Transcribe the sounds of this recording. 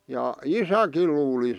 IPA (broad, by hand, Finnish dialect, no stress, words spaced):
jɑ isækil luːli